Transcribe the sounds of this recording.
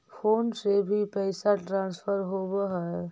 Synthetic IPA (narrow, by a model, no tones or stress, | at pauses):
pʰoːnsebʱipəɪsaʈɾãːnspʰəɾɦobəɦə